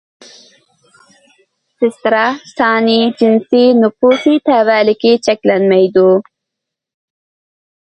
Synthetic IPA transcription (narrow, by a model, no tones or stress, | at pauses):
sɪst̪ɾasɑːnid͡ʒɪnsinʊfusit̪awaːlɪkit͡ʃaklanmajd̪u